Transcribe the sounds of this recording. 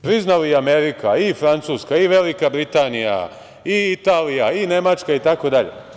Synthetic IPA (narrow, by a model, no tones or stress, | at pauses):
pɾiznaliame̞ɾikʰaifɾant̪suːskaiʋe̞likabɾit̪anija̰ | iit̪aːlijaine̞mat͡ʃkait̪ako̞d̪aʎḛ